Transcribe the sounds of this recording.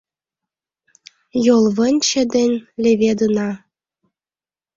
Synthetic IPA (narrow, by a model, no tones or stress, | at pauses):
jolˠβə̆nʲt͡ɕĕd̪enʲlʲeβʲed̪ɯnɑ